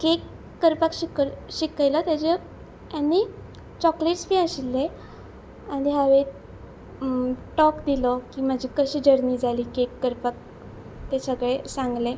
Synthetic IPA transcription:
kekː | əɾpakɕikəɕikajlat̪jad͡ʑə | ani | t͡ɕɔkleʈsbiaɕilːe | aɽiɦaʋe | ʈɔkd̪ilɔkiːməd͡ʑʱiːkəɕiːd͡ʑəɾniːd͡zaliːkekːəɾpak̚ | t̪esəɡɭesaŋɡle

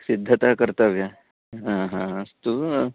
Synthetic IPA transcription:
sid̪ʱːɐt̪akəɾt̪ɐʋja | ɦãɦãst̪u

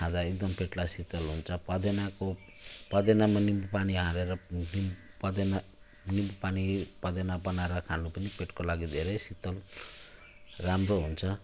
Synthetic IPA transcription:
ãd͡zaek̚d̪ʌmpʰeʈlasit̪ʌlɦunt͡sʰʌpʌd̪enako | pʌd̪enamanimbpaniɦãɾeɾʌni | pʌd̪ena | nimbupanipʌd̪enabʌnaɾʌkʰanupʌnipeʈkolaɡid̪ʱeɾʌjsit̪ʌl | ramroɦunt͡sʰʌ

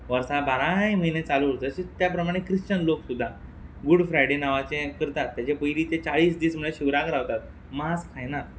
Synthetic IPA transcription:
ʋəɾsabaɾãjm̤əinet͡saluəɭt̪əɕet̪japɾəmaɽ̃ekɾiɕt͡ɕənloksud̪ʱːaɡuɽfɾajɽenaʋat͡sekəɾt̪at̪ːjat͡ɕepəjɾiːt̪et͡saɭiːsd̪iːsm̤əɭeɕiʋɾakəɾaʋt̪at̪̚ | maskʰajna

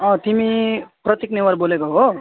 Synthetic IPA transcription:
ʌ̃t̪imiprʌt̪jiknewʌrbolekoɦo

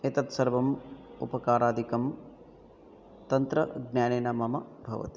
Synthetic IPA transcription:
et̪ɐt̪sɐɾʋɐmupɐkaːɾaːd̪ʱikɐm | t̪ɐnt̪ɾɐɡnjaːneːnɐmɐmɐbʱɐʋɐ̰t̪i̥

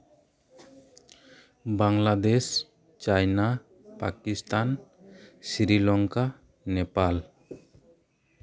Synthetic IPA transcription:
baŋlad̪es | t͡ʃajna | pakist̪an | siɾilɔŋka | nɛpal

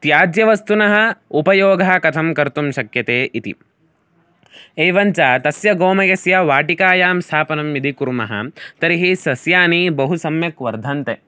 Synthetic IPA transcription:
t̪jaːd̪jɐʋɐst̪unɐɦɐ̆upɐjoːɡʱaːkɐt̪ʰɐmkɐɾt̪umʃɐkjɐt̪eːʔit̪ḭ | eːʋɐɲt͡ʃaːt̪ɐsjɐɡoːmɐjɐsjɐʋaːʈikaːjaːmst̪ʰaːpɐnɐmid̪ʱikuɾumɐɦɐ̰t̪ɐɾiɦisɐsjaːnibɐɦusɐmjɐkʋɐɾd̪ʱɐnt̪e

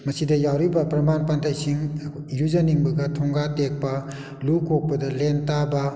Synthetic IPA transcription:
mɐsidɐjawɾibɐpɾɐmanpantʰajsiŋ | iɾuzɐniŋbɐɡɐtʰɔŋɡatek̚pɐ | lukok̚pɐdɐlentabɐ

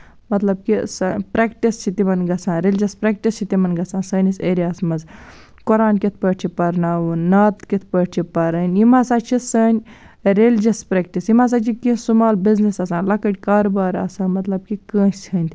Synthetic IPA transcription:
mɐt̪lɐb̚kisɐnpɾekʈist͡ʃʰit̪imɐnɡɐsʰãːnɾeld͡ʒɐspɾek̚ʈist͡ʃʰit̪imɐnɡɐsãːnsəːniseːɾiaːsmɐz | koɾaːnkit̪̚ʰpəːʈ̚t͡ʃʰipɐɾnaːwunnaːt̪kit̪ʰpəːʈt͡ʃʰipɐɾɐːnʲimaːsaːt͡ʃʰisɐːnʲ | ɾeld͡ʒɐspɾek̚ʈisjimaːs̬aːt͡ʃʰikĩsumaːlbiznisɐsãːnlɐkɐʈʲkaːɾobaːɾɐ̰sãːnmɐt̪lɐb̚kikəːsɐːnʲt̪ʰʲ

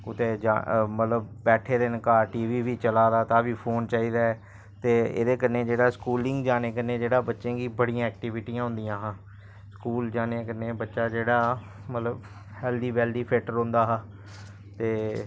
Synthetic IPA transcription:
ʊt̪eːd͡ʒamət̪ləbbɛːʈʰeːd̪enkaːɾʈiːʋiːbiːt͡ʃəlaːd̪aːt̪ãːbiːpʰoːnt͡ʃaːiːd̪aːɛ | t̪eːḛːd̪eːkəɾneːd͡ʒeːɽaːskuːlɪ̃ŋɡd͡ʒaːneːkəneːd͡ʒeːɽaːbətːʃẽːɡiːbəɽijãːɛːk̚ʈiʋɪʈiːãːɦʊ̃nd̪ijãːɦãː | skuːld͡ʒaːneːkəɾneːbətːʃaːd͡ʒeːɽaː | mət̪ləb | hɛːld̪iːbɛːlɖiːpʰeːʈəɾɦõnd̪aːɦãː | t̪eː

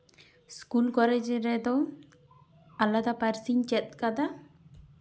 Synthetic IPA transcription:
skulkɔlɛd͡ʒɾɛd̪ɔ | alad̪apaɾsiɲt͡ʃɛt̪̚kad̪a

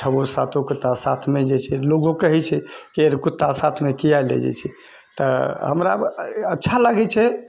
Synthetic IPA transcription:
t͡ʃʰəbosa̰t̪ʰokut̪ːasat̪ʰmed͡ʒet͡ʃʰɛloɡokəɦɛt͡ʃʰɛkeeɾkut̪ːasat̪ʰmekijalḛd͡ʒɛ̰t͡ʃʰɛ | t̪əɦə̰mɾaətːʃʰalaɡɛt͡ʃʰɛ

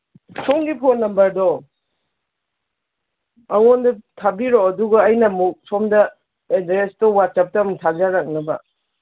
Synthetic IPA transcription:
sʰomɡipʰonːɐmbɐɾdɔ | ɐwondɐtʰabiɾoɐduɡɐːjnɐmuk̚sʰomdɐ | edɾestɔwat̚sɐp̚tɐmtʰazaɾak̚nɐbɐ̰

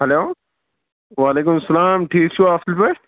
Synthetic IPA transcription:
hɐloː | ʋaːleːk̬ʊmɐsːɐlaːmʈʰiːk̚t͡ʃʰuaːftɪlpeː

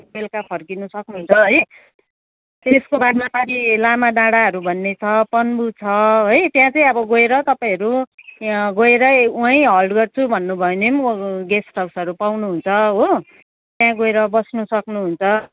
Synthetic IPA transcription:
milkapʰʌrkinusʌknuɦunt͡sʰʌɦʌj | t̪eskobaɾmapaɾilamaɖãɽaɦʌɾubʱʌnːet͡sʰʌpʌnbut͡sʰʌɦojt̪jãt͡sʌĩʌbʌɡoeɾʌt̪ʌpaĩɦʌɾu | ɡoeɾʌuãjɦʌlɖɡʌrt͡sʰubʱʌnːubʱʌjonemɡesʈʌwsʌɾupawnuɦunt͡sʰʌɦo | t̪jãɡoeɾʌbʌsnusʌknuɦunt͡sʰʌ

